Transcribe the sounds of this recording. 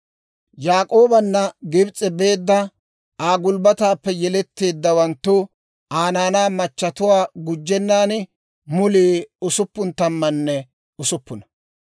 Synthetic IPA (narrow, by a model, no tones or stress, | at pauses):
jaːkʼo̞ːbɐnːɐɡɪbt͡sʼːɛbe̞ːd̪ːɐ | aːɡʊlbɐt̪aːpːɛjɛlɛt̪ːe̞ːd̪ːɐwɐnt̪ːʊ | aːnaːnaːmɐt͡ʃːɐt̪ʊwaːɡʊd͡ʒːɛnːaːn | mʊliːʊsʊpːʊnt̪ɐmːɐnːɛ | ʊsʊpːʊnɐ̥